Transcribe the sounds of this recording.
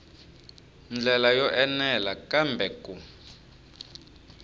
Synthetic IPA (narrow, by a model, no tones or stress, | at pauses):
nd͡ɮʱɛlajɔʔɛnɛlakambʱɛkʼu